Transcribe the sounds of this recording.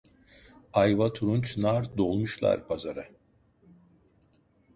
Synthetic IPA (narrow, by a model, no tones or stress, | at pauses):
ajvat̪ʰuɾunt͡ʃnaɾd̪olˠmuʃlˠa̰ɾpʰazaɾa